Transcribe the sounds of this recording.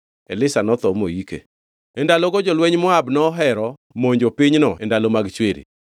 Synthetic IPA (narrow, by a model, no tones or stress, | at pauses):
ɛlɪsanɔt̪ɔmoikḛ | ɛndaloɡɔd͡ʒɔlwɛɲmɔabnɔɦɛɾɔ | moɲd͡ʒopiɲnɔɛndalomaɡt͡ʃweɾḭ